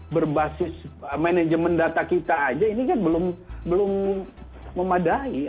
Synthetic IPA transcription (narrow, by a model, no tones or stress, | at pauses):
bərbasɪsəmɛned͡ʒəməndat̪akit̪aːd͡ʒainikanbəlʊmbəlʊmː | əmadai